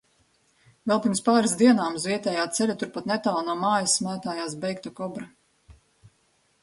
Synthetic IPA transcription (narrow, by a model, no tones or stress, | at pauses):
vɛlˠpʲiɾmspaːɾas̬d̪iɛnaːmzviɛt̪ɛːjaːt̪sɛlʲat̪uɾpat̪nɛt̪aːwnuɔmaːjɐsmæːt̪aːjaːs̬bɛjk̚t̪ɔkɔbɾa